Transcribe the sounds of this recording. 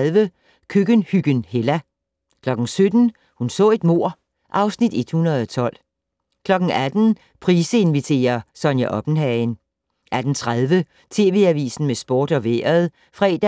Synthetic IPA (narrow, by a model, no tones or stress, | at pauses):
ðˠʋə | kʰøɡ̥ənhyɡ̥ənhelæ | kʰlɒ̽ɡ̥n̩sød̥n̩ | hunsɔ̰̽ːe̝d̥mo̝ɐ̰ | ʔɑ̈ʊsnid̥e̝d̥hunɐð̞̩ˠɒ̽t͡sʰɒ̽l̰ | kʰlɒ̽ɡ̥n̩æd̥n̩ | pʰʁiːsəe̝nʋit͡sʰe̝̰ːɐsɒ̽njæʔɒ̽b̥n̩ɦɛn | ʔæd̥n̩t͡sʰʁaðˠʋə | t͡sʰe̝̰ːʋe̝ːæʋḭːsn̩mesb̥oːd̥ɒ̽ʋḛɐð̩ˠ | fʁɛ̰ːd̥æ